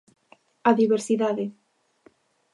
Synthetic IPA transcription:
aðiβeɾsiðaðɪ

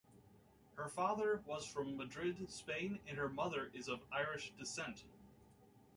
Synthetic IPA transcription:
hə˞fɑðə˞wʌz̥fɹʌ̃mːɨdɹɪdspẽɪ̃nɨ̃nə˞mʌðə˞ʔɨzʌvaɪɹɨʃd̥ɨsɛ̃nt

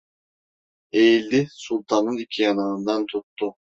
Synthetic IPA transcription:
ejilʲd̪isulʲˠt̪ʰanɯnicʰijananɯnd̪ant̪ʰut̪ːʊ

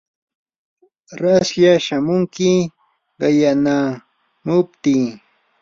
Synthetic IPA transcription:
ɾasjaʃamʊŋkɪ | ɢɑjana | mʊpt̪i

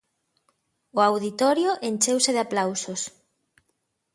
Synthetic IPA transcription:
ʊawðit̪ɔɾjoʔenʲt͡ʃewseðeaplawsos

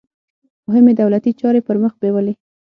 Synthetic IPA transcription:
mʊɦɪmed̪awlat̪it͡ʃɑɾepəɾməxbewəle

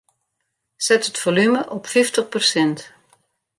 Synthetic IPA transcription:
sɛtətfolyməʔɔpfiftəχpərsɛnt

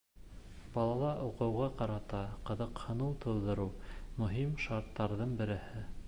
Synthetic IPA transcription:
bɑlˠɑlˠɑʔuqɤ̆wʁɑqɑɾɑt̪ɑqɤ̆ðɤqhɤ̆nɤlˠt̪ʰŏðːɤ̆ɾɤwmɵ̆ɦimʃɑɾt̪ːɑɾðɤɴbɘ̆ɾɘ̆hɘ

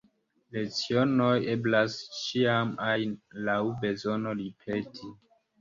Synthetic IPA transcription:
let͡sio̞no̞je̞blast͡ʃiamajnlawbe̞zo̞no̞lipʰetʰi

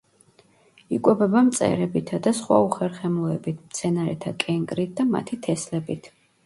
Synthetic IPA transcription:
ikʼwɛbɛbamt̪sʼɛ̰ɾɛbit̪ʰad̪asχwa̰uχɛɾχɛmulɛbit̪ʰmt̪sʰɛnaɾɛt̪ʰakʼɛŋkʼɾit̪̚d̪ama̰t̪ʰit̪ʰɛslɛbit̪ʰ

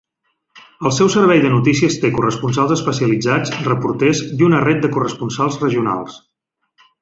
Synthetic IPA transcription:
əlˠsɛwsərβ̞ɛjðənut̪isiəst̪ekurəspunsalˠzəspəsiəlid͡zad͡zrəpuɾt̪ezd̪unəret̪̚d̪əkurəspunsalˠzrəʒiuna̰lˠs

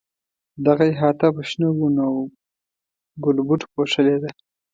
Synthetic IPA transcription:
d̪aɣaeɦɑt̪abaʃnaɡuno | ɡʊlbuʈpoʂəled̪a

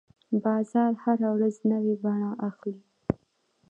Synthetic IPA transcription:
bɑzɑɾhaɾawɾaznəwebaɳaʔaxli

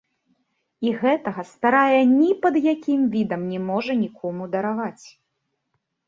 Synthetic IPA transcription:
iɣɛt̪ɐɣɐst̪aɾajɐnʲipɐd̪jakʲimvʲid̪ɐmnʲɛmɔʐɐnʲikʰɔmud̪ɐɾavat͡sʲ

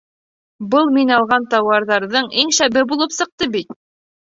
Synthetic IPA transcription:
bɤlˠminɑlˠʁɑnt̪ɑwɑɾðɑɾðɤɴiŋʃæbɘbulˠɤpsɤ̆q̚t̪ɤbit̪̚

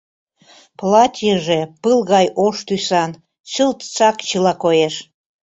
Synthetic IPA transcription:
plɑt̪ʲjəʒepɨlˠɣɑjʔoʃt̪ysɑn | t͡ɕəlt̪t͡sɑkt͡ɕəlɑkojeʃ

